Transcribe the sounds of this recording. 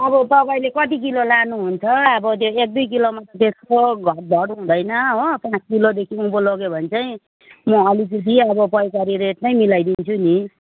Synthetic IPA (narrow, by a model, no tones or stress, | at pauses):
ʌbʌt̪ʌbajlekʌt̪ik̬ilolanuɦunt͡sʰʌʌbʌt̪̬joek̚d̪ujk̬ilomʌt̪ʌt̪eskoɡʱʌrd̪ʱʌɽɦũd̪ʌjnʌɦopãskilod̪ekʰiũpolʌɡjobʱʌnt͡sʌĩ | mʌʌlipikʰiʌbʌpʌjkaɾiɾeʈnʌjmilajd̪int͡sʰuni